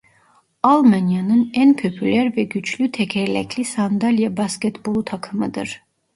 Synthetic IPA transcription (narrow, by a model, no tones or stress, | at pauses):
alˠmanjanɯnænpʰø̞pʰylʲæɾvɛɟyt͡ʃʰlʲyt̪ʰɛcʰɛɾlʲɛ̰cʰlʲisand̪alʲjabascɛt̪bolˠt̪ʰakʰɯmɯd̪ɯ̰ɾ̥